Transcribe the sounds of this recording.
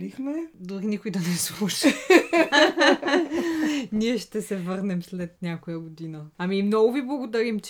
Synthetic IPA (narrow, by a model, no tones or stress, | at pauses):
lixmɛd̪oɾinikʊjd̪ɐnɛslˠuʃɐ | niɛʃt̪ɛsɛvɤɾnɛmslɛt̪̚nʲakojɐɡod̪inəamimnɔɡʊviblˠɐɡod̪ɐɾimt͡ʃ